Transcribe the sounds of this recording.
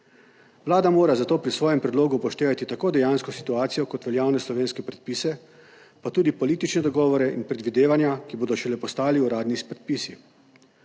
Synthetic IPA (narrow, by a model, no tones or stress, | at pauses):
wlaːd̪amoːɾazat̪oːpɾisʋɔːjɛmpɾɛd̪loːɡupɔʃt̪eːʋat̪it̪akoːd̪ɛjaːnskɔsi̥t̪uaːt̪sijɔkɔt̪ʋɛljaːwnɛslɔʋeːnskɛpɾɛt̪̚pisɛ | pat̪uːd̪ipɔliːt̪it͡ʃnɛd̪ɔɡɔːʋɔɾɛʔinpɾɛd̪ʋid̪eːʋanjakiboːd̪ɔʃɛlɛpɔst̪aːliuɾaːd̪nispɾɛt̪̚pisi